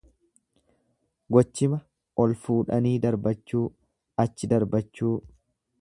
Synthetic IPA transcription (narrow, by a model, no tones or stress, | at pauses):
ɡɔt͡ʃːɪmɐ | ʔɔlfuːᶑɐniːd̪ɐɾbɐt͡ʃːuː | ɐt͡ʃːɪd̪ɐɾbɐt͡ʃːuː